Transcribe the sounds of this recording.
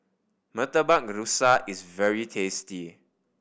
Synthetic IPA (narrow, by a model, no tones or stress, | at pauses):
mətəbãk̚ɹusaʔisvɛɹitʰesti